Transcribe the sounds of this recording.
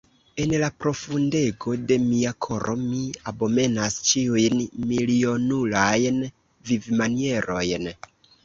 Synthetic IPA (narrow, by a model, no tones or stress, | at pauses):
e̞nlapɾo̞funde̞ɡo̞de̞miakʰo̞ɾʔomiabo̞me̞nast͡ʃiujnmilio̞nulajn | vivmanie̞ɾo̞jn